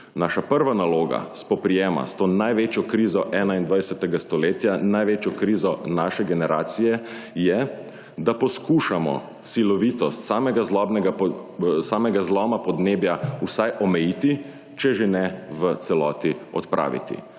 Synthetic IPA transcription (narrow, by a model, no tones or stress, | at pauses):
naʃapəɾʋanaloːɡa̰spɔpɾijɛːma̰st̪oːnajʋeːt͡ʃjɔkɾizɔʔɛːnaind̪ʋajsɛt̪ɛɡast̪ɔleːt̪janajʋeːt͡ʃjɔkɾiːzɔnaʃɛɡɛnɛɾʔaːt̪sijɛjɛ | d̪apɔskuːʃamɔ̰ | silɔʋit̪ɔst̪saːmɛɡazlɔbnɛɡasaːmɛɡazlɔmapɔd̪neːbjausajʔɔmɛjiːt̪i | t͡ʃɛʒenɛʋət̪sɛlɔːt̪iɔ̰t̪pɾʔa̰ːʋḭt̪ḭ